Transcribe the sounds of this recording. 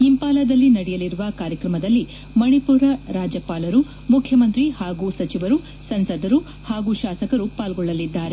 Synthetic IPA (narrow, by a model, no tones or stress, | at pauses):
impaːlɐd̪ɐlːinɐɽɛjɐliɾuʋɐkaːɾjɐkɾɐmɐd̪ɐlːi | mɐɳipuːɾɐɾaːd͡ʒɐpaːlɐɾu | mukʰjɐmɐnt̪ɾihaːɡuːsɐt͡ʃiʋɐɾu | sɐnsɐd̪ɐɾu | haːɡuːʃaːsɐkɐɾupaːlɡɔɭːɐlid̪ːaːɾe